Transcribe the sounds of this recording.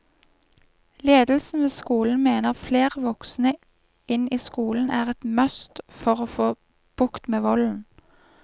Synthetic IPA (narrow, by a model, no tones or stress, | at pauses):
leːd̪l̩sn̩ʋeːskuːln̩meːnəʁfleːʁʋɔksnə | ɪniːskuːln̩æːʁɛt̪mœst̪fɔʁoːfoː | b̥ʊkt̪meːʋɔln̩